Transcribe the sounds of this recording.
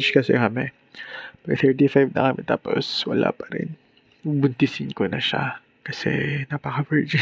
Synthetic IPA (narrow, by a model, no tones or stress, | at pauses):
t͡ʃkɐsɛ̰kɐmɛ | pɐkɐθɛɹt̪ifajvnɐ̰kɐmɛt̪aːpo̰swɐla̰pɐɾɪ̰n | bʊnt̪ɪsɪŋkonɐʃa̰ | kɐsɛ̰nɐpɐkɐvɛɹd͡ʒɛ